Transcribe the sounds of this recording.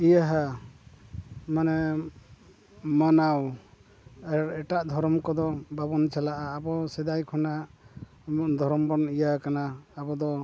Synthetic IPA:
ijaɦa | manɛ | manaw | ɛɾɛʈaʔd̪ʱɔɾɔmkɔd̪ɔbabɔnt͡ʃalaʔaːbɔsɛd̪ajkʰɔnaʔ | d̪ʱɔɾɔmbɔnijakanaːbɔd̪ɔ

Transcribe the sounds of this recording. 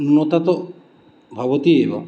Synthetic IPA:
nunɔt̪at̪ɔ | bʱɔbɔt̪iebɔ̰

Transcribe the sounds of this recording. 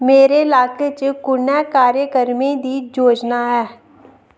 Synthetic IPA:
meːɾeːlaːket͡ʃkʊnɛːkaːɾjəkəɾmẽːd̪iːd͡ʒoːd͡ʒnaːɦɛː

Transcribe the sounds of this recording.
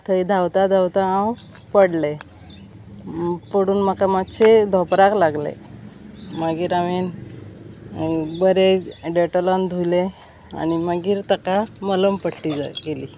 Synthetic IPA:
t̪ʰəid̪ʱawt̪ad̪ʱawt̪aãw | pəɽle | pəɽuːnmakamatɕed̪ʱɔpɾaklaɡlḛ | maɡiːɾaʋen | bəɾeɖeʈəland̪ʱujle | a̰nimaɡiːɾt̪əkamələmpəʈʈid͡za̰ɡeliː

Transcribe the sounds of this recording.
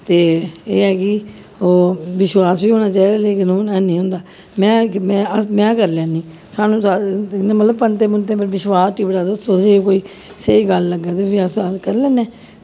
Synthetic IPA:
t̪eːeːɛːkɪ | oːʋɪʃwaːsʋiːɦoːñaːt͡ʃaːid̪aːleːkɪnoːɛːnĩːɦʊ̃ːnd̪aː | mɛ̃ːmɛ̃ːəmɛ̃ːkəɾlɛ̃ːnːĩː | saːnũːsanːmət̪ləb̚pənt̪ẽːmʊnt̪ẽːpəɾʋɪʃwaːst̪iːbəɽaːd̪əst̪oːd͡ʒeːkoːiː | seiːɡəlːəɡːaːt̪eːpʰɪəsakəɾlɛ̃ːnɛː

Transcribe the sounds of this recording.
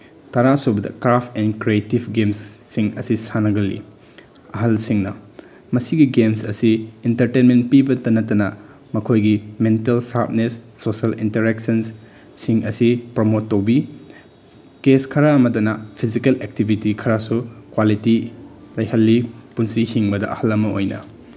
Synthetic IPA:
tɐɾasobɐdɐ̰kɾapʰɛnkɾietibɡemsːiŋɐ̰sisanɐɡɐlːḭ | ɐɦɐlsiŋnɐ | mɐsiɡiɡemsɐsiintɐɾtenmenpibɐtɐnɐtːɐnɐ | mɐkʰojɡimentelsap̚nesːoselḭnteɾek̚sɐns | siŋɐsipɾomotːɐwbi | keskʰɐɾaɐmɐdɐnɐpʰizikelek̚tibʱitikʰɐɾasukwalitilɐjhɐlːipunsihiŋbɐdɐʔɐ̰hɐlɐmɐojnɐ̰

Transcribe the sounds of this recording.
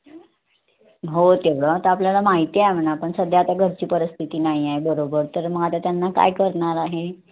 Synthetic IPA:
ɦot̪eʋɽət̪əapljalamaɦit̪iajm̤ənapəɳsəd̪ʱjaːt̪aɡʱəɾt͡ɕiːpəɾəst̪ʰit̪iːnaɦiaɦebəɾobəɾt̪əɾməɡat̪at̪janːaka̰jkəɾɳaɾaɦe

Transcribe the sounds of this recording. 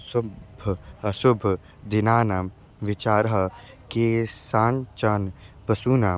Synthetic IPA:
sʊbʱɐsʊbʱ | d̪ɪnaːna | ʋɪt͡ʃaːɾɦɐ | kesaːnt͡ʃaːnpɐsuːna

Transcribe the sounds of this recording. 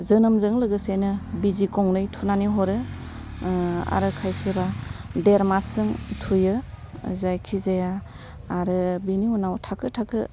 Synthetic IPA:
zɯnɯmzɯŋlɯɡɯsajnɯbizikɔŋnɯjtʰunaniɦɔɾɯ | a̰ɾɯkʰajsebadeɾmasɯŋtʰujɯ | zajkʰizajaː | ɾɯbiniunawtʰakʰɯtʰakʰɯ

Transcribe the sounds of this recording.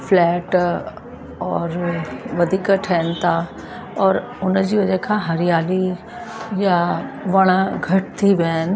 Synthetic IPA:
flɛːʈ | ɔːɾʋɐd̪ʱiːkəʈʰɐnɪ̆t̪ʰa | ɔːɾ | ʊnd͡ʑiːʋɐd͡ʑekʰãːɦɐɾɪjaːli | jaʋɐɽ̃əɡʱɐʈt̪ʰiʋaːnɪ̆

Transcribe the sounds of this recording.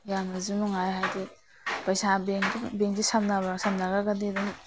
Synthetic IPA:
jamnɐzunuŋajɦajdi | pɐjsabeŋbeŋzisɐmnabɐsɐmnɐɡaɡɐdeduŋ

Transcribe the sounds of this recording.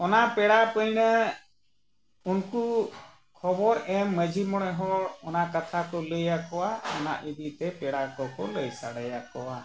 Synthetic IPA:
ɔnaʔpɛɽapəjnə | unku | kʰɔbɔɾɛmːəd͡ʒʱimɔɽ̃ɛɦɔɾɔnaʔkat̪ʰakɔləjakɔwaɔna̰ʔid̪it̪ɛpɛɽakɔkɔləjsaɽajakɔwa

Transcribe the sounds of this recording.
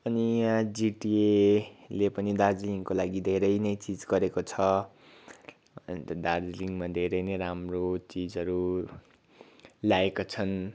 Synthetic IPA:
ʌnid͡ziʈielepʌnid̪ard͡zliŋkolaɡid̪ʱeɾʌjnʌjt͡sid͡zɡʌɾekot͡sʰʌ | d̪ard͡zliŋmad̪ʱeɾʌjnʌjɾamrot͡sid͡zʌɾu | ljaekot͡sʰʌn

